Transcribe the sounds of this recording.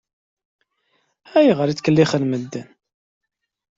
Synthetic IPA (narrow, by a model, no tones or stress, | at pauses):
æjiʁəɾit͡sːkəlːiχəlməd̪ːən